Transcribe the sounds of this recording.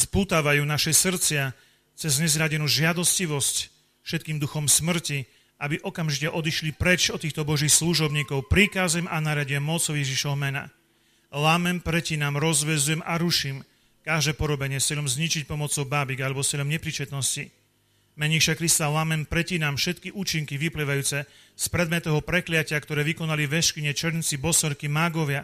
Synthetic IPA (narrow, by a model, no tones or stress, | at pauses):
spuːt̪aʋajuːnaʃɛsr̩t͡sɪa | t͡sɛzɲɛzɾaɟɛnuːʒɪad̪ɔsciʋɔsc | fʃɛt̪̚kiːmd̪uxɔmsmr̩ci | ʔabiʔɔkamʒicɛʔɔd̪iʃlipɾɛt͡ʃɔt̪ːiːxt̪ɔbɔʒiːxsluʒɔbɲiːkɔʊpɾikazɛmʔanaɾɪaɟɪɛmːɔt͡sɔʊjɛʒiʃɔɦɔmɛna̰ | lamɛmpɾɛcinamɾɔzʋɛzujɛmaɾuʃiːm | kaʒd̪ɛːpɔɾɔbɛɲɪɛsɪɛlɔmzɲit͡ʃic̚pɔmɔt͡sɔʊbaːbiɡalɛbɔsɪɛlɔmɲɛpɾiːt͡ʃɛt̪nɔsci | mɛɲiʃakɾist̪alamɛmpɾɛcinamfʃɛt̪kiʔuːt͡ʃiŋkiʋipliʋajuːt͡sɛ | spɾɛd̪mɛt̪ɔɦɔpɾɛklɪacɪakt̪ɔɾɛːʋikɔnaliʋɛʃkiɲɛt͡ʃɛɾnt͡sibɔsɔʎkimaɡɔʋɪa